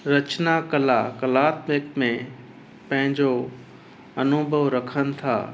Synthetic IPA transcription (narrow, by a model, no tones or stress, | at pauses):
ɾɐt͡ʃnakəlakəlaːt̪mɪkmẽ | pɐ̃ɦɪ̃ɲd͡ʑo | ɐnubʱəʋɾɐkʰən̆t̪ʰa̰ː